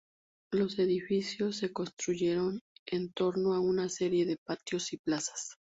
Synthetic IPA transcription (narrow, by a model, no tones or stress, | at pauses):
lo̞se̞ðifisjo̞sːe̞ko̞nst̪ɾuʝe̞ɾo̞nent̪o̞ɾno̞aunase̞ɾje̞ðe̞pat̪jo̞siplasḁs